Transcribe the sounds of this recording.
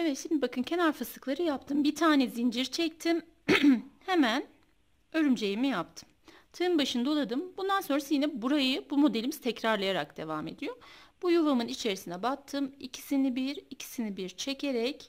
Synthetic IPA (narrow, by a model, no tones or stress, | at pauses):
evɛt̪ʃimd̪ibakʰɯncʰɛnaɾfasɯklˠaɾɯjapt̪ʰɯmbit̪ʰaːnɛzind͡ʒiɾt͡ʃʰɛc̚t̪ʰim | he̞mæn | ø̞ɾymd͡ʒejimijap̚t̪ʰɯ̥m | t̪ʰɯɯmbaʃɯnd̪ao̞lˠad̪ɯmbund̪ansonɾasjinɛbuɾajɯbumo̞d̪elʲimiz̥t̪ʰɛcɾaɾlˠajaɾa̰k̚d̪̥e̞̰vaːme̞̰d̪ijo̞b̥ujuvamɯnit͡ʃʰe̞ɾisind̪ɛbat̪ʰːɯmicʰi̥sinibiɾicʰi̥sinibiɾt͡ʃʰecʰe̞ɾɛc